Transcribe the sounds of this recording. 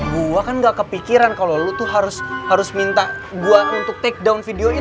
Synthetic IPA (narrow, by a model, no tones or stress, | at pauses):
ɡuakanɡaʔkəpikiɾankalolut̪uɦaɾʊshaɾʊsmint̪aɡuaʔunt̪ʊk̚t̪ɛk̚dawnfideoi